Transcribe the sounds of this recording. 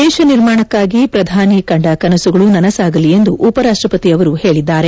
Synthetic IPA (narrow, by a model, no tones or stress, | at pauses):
d̪ɛːʃɐniɾmaːɳɐkːaːɡipɾɐd̪ʱaːnikɐɳɖɐkɐnɐsuɡɐɭunɐnɐsaːɡɐlie̞nd̪uʔupɐɾaːʂʈɾɐpɐt̪iɐʋɐɾuheːɭid̪ːaːɾe̞